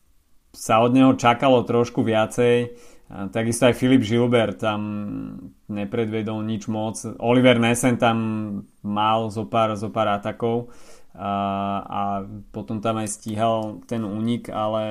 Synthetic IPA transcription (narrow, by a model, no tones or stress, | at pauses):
saɔd̪ɲɛɦɔt͡ʃakalɔt̪ɾɔʃkuʋɪat͡sɛjt̪aɡist̪ɔajfilibʒilbɛɾt̪ːam | ɲɛpɾɛd̪ʋɪɛd̪ɔlɲid͡ʒmɔt͡sɔliʋɛɾnɛsɛnt̪amː | alzɔpaːɾzɔpaːɾat̪akɔʊ | a̰pɔt̪ɔmt̪amajsciɦalˠt̪ɛnuːɲikalɛ